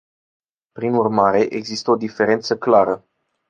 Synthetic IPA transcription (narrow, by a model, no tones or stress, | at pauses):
pɾinurmaɾe̞ʔeɡzist̪əo̞d̪ife̞ɾe̞nt̪səklaɾə